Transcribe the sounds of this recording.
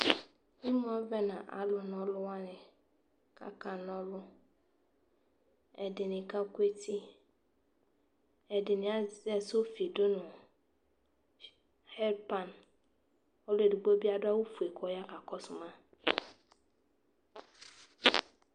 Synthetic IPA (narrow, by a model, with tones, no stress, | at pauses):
i˦m˦ɔ˦vɛ˦nã˨ʔa̰˨lʊ˨n˨ɔ˨lʊ˦wa˦nɪ˨ | ka̰˦ka˨n˦ɔ˦lʊ˦ | ɛ˨dɪ˨nɪ˨ka˦kwe˦ti˦ | ɛ˨dɪ˨nɪ̃˨a˦zɛ˦so˦fi˨dʊ˦nʊ˨ | hɛ˦ɾpa˨n | ɔ˦lʊ˦e˨du˨ɡ͡bo˦bi˦a˦dʊ˦a˦wu˦fu˨e˨kʰɔ˨˦ja˦ka˨kɔ˦sʊ˨mã˦